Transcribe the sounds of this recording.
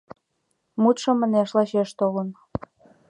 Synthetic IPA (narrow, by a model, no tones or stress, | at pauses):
mut̪ʃɤ̆mə̆neʃlɑʃeʃt̪olən